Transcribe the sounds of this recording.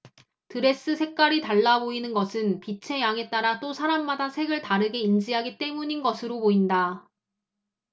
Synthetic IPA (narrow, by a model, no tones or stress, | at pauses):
tɯɾe̞s͈ɯsʰe̞k̚k͈aɾitaɭːaboinɯnɡʌsʰɯnpit͡ɕʰe̞jaŋe̞t͈aɾat͈osʰaɾamːadasʰe̞ɡɯɭtaɾɯɡe̞ind͡ʑiɦaɡit͈e̞muɲinɡʌsʰɯɾomoinda